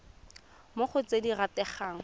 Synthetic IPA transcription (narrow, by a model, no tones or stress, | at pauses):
mʊχʊt͡sediratɛχaːŋ̩